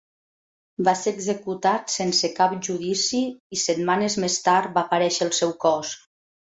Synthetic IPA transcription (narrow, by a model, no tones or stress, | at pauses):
baseɾəɡzekut̪at̪sensekapʒuðisiisət̪manəzmest̪aɾt̪̚baːpəɾɛʃəːlˠsɛwkɔs